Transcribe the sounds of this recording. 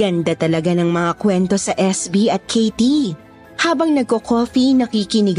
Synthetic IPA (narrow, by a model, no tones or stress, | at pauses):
ɡɐnd̪at̪ɐlɐɡanɐŋmɐŋakwɛnt̪o̞sɐʔɛsbiʔɐt̪̚kʰejt̪i | haːbɐŋnɐɡ̚kokoːfinɐkikɪnɪɡ